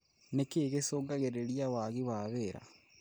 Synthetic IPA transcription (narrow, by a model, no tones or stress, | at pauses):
nekeːɣesoːɡaɣeɾeɾiawaːɣiwaːβeːɾa̰